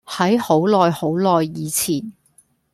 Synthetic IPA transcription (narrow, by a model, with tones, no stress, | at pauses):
hɐ˨˥jho˨˥wlɔː˨jho˨˥wlɔː˨jːiː˨˧t͡sʰiː˨˩n